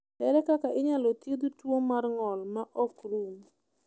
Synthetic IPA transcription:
hɛɾɛkakaʔɪɲalɔtjed̪utwoŋmarŋɔlmaʔɔkruŋ

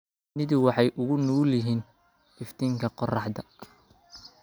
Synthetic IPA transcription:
nɪðɪwɑħɑjʔʊɣʊnuːlɪɦiːn | ɪft̪ʰiːŋkʰɐqɔrɑħd̪ɐ

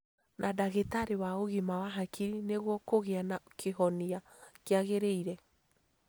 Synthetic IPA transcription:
nʔadaɣetaɾewaoɣimawaɦakiɾineɣwɔkoɣeanakʰeɦɔnia | keaɣeɾeiɾɛ

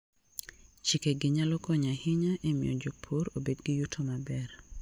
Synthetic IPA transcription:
t͡ʃikeɡɪɲalɔkɔɲahɪɲaʔemɪ̰ɔ̰d͡ʒok̚pʰoɾobedɡɪjutʰomabɛr

